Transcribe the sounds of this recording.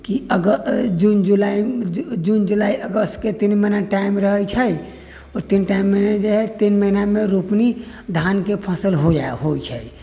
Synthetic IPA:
kiəɡəd͡ʒund͡ʒulaid͡ʒund͡ʒulaiʔəɡəst̪ket̪inməɦinaʈaimɾəɦət͡ʃʰəj | ɔːɾt̪inʈaimːened͡ʒeɦɛt̪inməɦinameɾupni | d̪ʱankepʰasəlɦod͡ʒa̰eɦojt͡ʃʰəi

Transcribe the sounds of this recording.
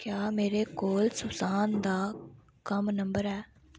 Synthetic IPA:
kjaːmeːɾeːkoːlsʊbsaːnd̪aː | kəmnəmbəɾɛː

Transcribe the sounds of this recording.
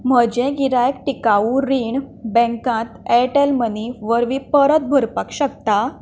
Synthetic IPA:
m̤əd͡ʑẽɡiɾajkʈikauɾiɳbɛ̃ŋkãt̪eʈelməniʋəɾʋipəɾət̪̚bʱəɾpakɕək̚t̪a

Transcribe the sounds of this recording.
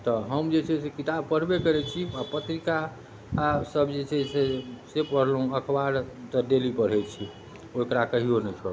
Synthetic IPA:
t̪ɔɦəmd͡ʒet͡ʃʰɛsekit̪ab̚pəɽ̤bekəɾɛt͡ʃʰiapət̪ɾikaː | səbd͡ʒet͡ʃʰɛsesepəɽ̤lɦũəkʰbaɾt̪əɖelipəɾ̤ɦɛt͡ʃʰi | oekɾakəɦionət͡ʃʰɔɾ

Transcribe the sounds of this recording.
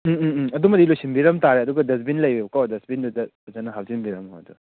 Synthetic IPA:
ɐdumɐdilojsimbiɾɐmtaɾeɐduɡɐdɐs̬binlɐjbekawdɐsbindudɐ | zanɐɦawzinbiɾɐmadu

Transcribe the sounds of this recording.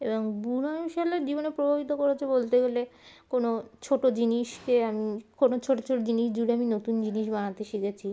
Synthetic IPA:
eboŋbunaʃaleɾd͡ʑibonepɾobʱabit̪okoɾat͡ɕʰebolt̪eɡelekonot͡ɕʰoʈod͡ʑiniʃkeamikonot͡ɕʰoʈot͡ɕʰoʈod͡ʑiniʃd͡ʑuɽeaminot̪und͡ʑiniʃbaŋat̪eʃikʰet͡ɕʰi

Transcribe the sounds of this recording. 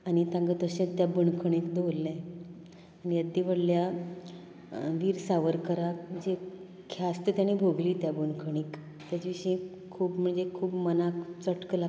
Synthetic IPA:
añit̪ãŋɡət̪əɕẽt̪jabuɳkʰəɳ̃iːkd̪olːẽ | anijəd̪ːiʋəɽlja | ʋiːɾsaʋəɾkəɾakd͡ʑe | kʰjast̪ət̪jañibʱoɡliːt̪jabuɳkʰəɽ̃iːk | t̪jat͡ɕiʋiʂĩ | kʰuːbm̤əɳd͡zekʰuːbmənakt͡səʈkla

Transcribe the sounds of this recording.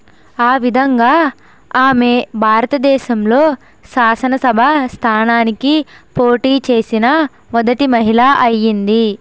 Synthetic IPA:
aːʋid̪ʱɐŋɡaː | aːme̞bʱaːɾɐt̪ɐd̪ɛːʃɐmloː | ʃaːsɐnɐsɐbʱɐst̪ʰaːnaːnikipoːʈiːt͡ʃe̞ːsinɐ | mɔd̪ɐʈimɐɦilaːʔɐjːind̪i

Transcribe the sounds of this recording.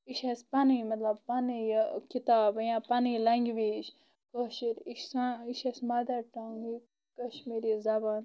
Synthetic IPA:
iʃespɐnimɐt̪lɐb̚pɐnijkit̪aːbjãːpɐnilɐŋɡʲʋiːʃ | koʃiɾiʃsaiʃɐsmɐd̪ɐɾʈɐŋɡi | kɐʃmiːɾizɐbaːn

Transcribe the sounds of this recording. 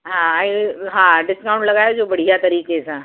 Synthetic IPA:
ɦããiɦãɖɪskauɳʈləɡajod͡zobəɽ̤ijat̪əɾiːket͡sʰã

